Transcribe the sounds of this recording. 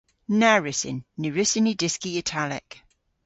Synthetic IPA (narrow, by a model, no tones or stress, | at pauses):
naɹɪsɪ̰nːiɹɪsɪnidɪskiɪtʰalɪ̰k